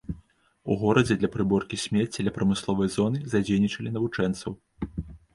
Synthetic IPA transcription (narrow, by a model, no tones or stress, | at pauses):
ṵɣɔɾɐd͡zʲɛd̪lʲɐpɾɨbɔrkʲisʲmʲɛt͡sʲːidlʲɐpɾɐmɨslˠɔvɐjzɔnɨzad͡zʲejnʲit͡ʂɐlʲinɐvut͡ʂɛnt̪sɐw